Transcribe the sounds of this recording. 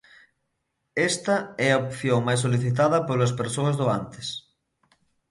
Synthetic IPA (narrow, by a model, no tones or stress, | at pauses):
est̪ɐɛɐopθjoŋmajs̬oliθit̪̬aðɐpolɐs̬peɾsoɐzðoant̪e̥s